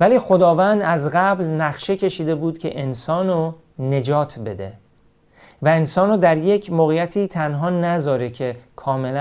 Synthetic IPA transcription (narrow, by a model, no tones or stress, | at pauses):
væliːxo̞d̪ɒːvænd̪æzɣæblnæχʃe̞cʲʰe̞ʃiːd̪e̞buːd̪̥cʰe̞̰ʔensɒːno | ne̞d͡ʒɒːt̪ʰbe̞d̪e̞̰ | væensɒːnoːd̪æɾje̞cʰmoːɣejæt̪ʰiːt̪ʰænɦɒːnæzɒːɾecʰe̞kʰɒːme̞læ